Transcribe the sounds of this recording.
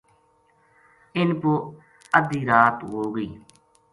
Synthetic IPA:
ɪnpoː | əd̪iːɾaːt̪ɦoːɡəiː

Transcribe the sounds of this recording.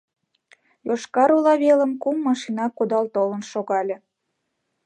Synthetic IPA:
joʃkɑɾulɑβelə̆mkumːɑʃinɑkod̪ɑlt̪olə̆nʃoɣɑlʲe

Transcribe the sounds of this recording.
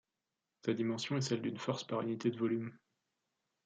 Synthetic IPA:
sad̪imɑ̃sjɔ̃ɛsɛld̪ynfɔʁspaʁynit̪ed̪əvɔlym

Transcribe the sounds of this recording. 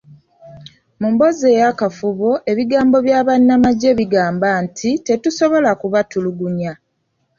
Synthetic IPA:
mumbo̞zeːjakafuβo̞ʔe̞βiɡaːmbo̞βjaːβanːamaɟe̞βiɡaːmbaːntʰite̞tuso̞βo̞lakuβatuluɡuɲa

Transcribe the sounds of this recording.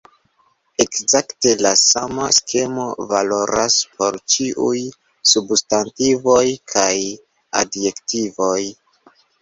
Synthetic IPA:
e̞kzakte̞lasamaskʰe̞mo̞valo̞ɾʔa̰spʰo̞ɾt͡ʃiʔuj | substantivo̞jkʰaj | a̰dje̞ktivo̞j

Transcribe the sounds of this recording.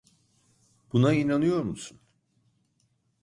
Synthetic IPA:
b̥unainanɯjo̞ɾmusun

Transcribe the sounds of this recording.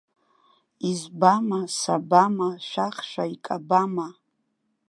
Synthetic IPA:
izbamasabamaʃʷaχʃʷᶣaikʼabama

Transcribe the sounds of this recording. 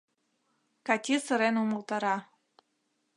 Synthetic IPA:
kɑt̪ʲisə̆ɾenumɤ̆lˠt̪ɑɾɑ

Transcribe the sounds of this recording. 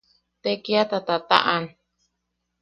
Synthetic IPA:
t̪ekiat̪at̪at̪a̰ʔan

